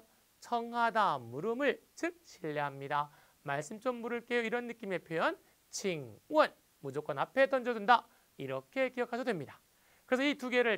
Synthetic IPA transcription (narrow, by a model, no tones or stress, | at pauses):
t͡ɕʰʌŋɦadamuɾɯmɯɭt͡ɕɯk̚ɕʰiʎːeɦamɲida | maɭs͈ɯmt͡ɕ͈omːuɾɯɭk͈e̞joiɾʌnːɯk͈ime̞pʰjojʌn | t͡ɕiŋwʌn | mud͡ʑok͈ʌnapʰe̞tʌnd͡ʑʌdunda | iɾʌkʰe̞kijʌkʰad͡ʑʰʌdwemɲidḁ | kɯɾe̞sʰʌituɡe̞ɾɯɭ